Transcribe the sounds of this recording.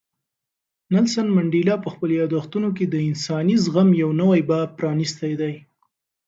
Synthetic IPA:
nalsanmaɳɖilɑpəxpəljɑd̪axt̪unok̬ed̪əɪnsɑnizɣamjawnəwajbab̚pɾɑnist̪ajd̪aj

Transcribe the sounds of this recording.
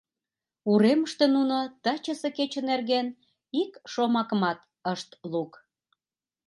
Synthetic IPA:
uɾeməʃt̪enunot̪ɑt͡ɕəseket͡ɕənerɣen | ikʃomɑkəmɑt̪ | əʃt̪luk

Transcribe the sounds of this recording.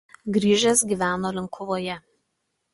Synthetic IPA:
ɡɾʲiːʒʲɛsɡʲiːʋʲæːnoːlʲɪŋˑkʰʊʋoːjɛ

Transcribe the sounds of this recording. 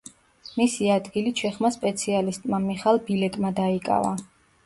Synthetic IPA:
misiad̪ɡiliʃʰɛχmaspʼɛt̪sʰialist̪ʼmamiχalˠbilɛkʼmad̪aikʼa̰va̰

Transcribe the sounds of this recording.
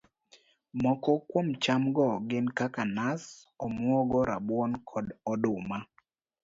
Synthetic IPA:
mɔkɔkwomt͡ʃamɡɔɡɪnkakanas | ɔmwɔɡɔɾabwɔnkʰɔdɔdʊma

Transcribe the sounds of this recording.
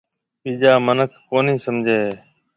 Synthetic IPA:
piːd͡ʒaːmənəkʰːoːnĩːsəmd͡ʒʱeː

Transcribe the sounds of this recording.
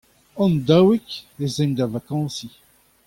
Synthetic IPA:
ɔ̃nd̪awikezɛ̃nd̪avakɑ̃si

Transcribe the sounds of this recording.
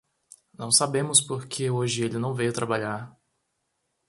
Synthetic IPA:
nɐ̃w̃sabẽmʊspoɾkʰeoʒɪelɪnɐ̃w̃vejʊt̪ɾabaʎaɾ

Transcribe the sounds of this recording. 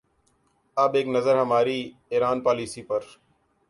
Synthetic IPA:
əbeːknəzəɾɦəmaːɾiː | eːɾaːnpaːliːsiːpəɾ

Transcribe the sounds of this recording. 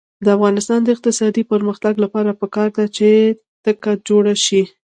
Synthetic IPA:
d̪əafɣɑnɪst̪ɑnd̪əɪq̚t̪ɪsɑd̪ipəɾməxt̪aɡlapɑɾapəkɑɾd̪at͡ʃe | t̪əkad͡ʒoɽaʃi

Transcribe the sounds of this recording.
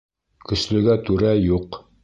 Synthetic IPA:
kɵ̆slɵ̆ɡæt̪ʉɾæjuq

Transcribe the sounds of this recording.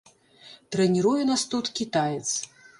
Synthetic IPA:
t̪ɾɛnʲiɾujunast̪ut̪kʲit̪ajɛt̪s

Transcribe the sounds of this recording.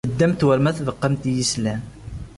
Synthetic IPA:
əd̪ːæmt̪wəɾmæθvəqːəmt̪jislæm

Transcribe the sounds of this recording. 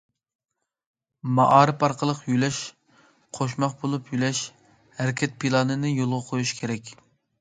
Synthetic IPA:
mɑ̰ʔɑːɾɨpɑɾqʰəlˠəqjylɛʃ | qʰoʃ̬mɑqbolˠupʰjylɛʃ | hæɾɪkʲʰɛt̪̚pʰilˠɑnɨnɨjolˠʁɑqʰojuʃkʲʰeɾɛkʲ

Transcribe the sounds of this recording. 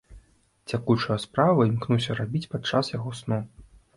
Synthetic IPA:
t͡sʲakut͡ʂɐjɐspɾavɐimknusʲɐɾabʲit͡sʲpat͡ʂːasjaɣɔsnɔ

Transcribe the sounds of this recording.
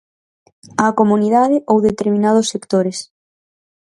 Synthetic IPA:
akomuniðaðɪʔowðet̪eɾmĩnað̞ʊsːekt̪oɾes

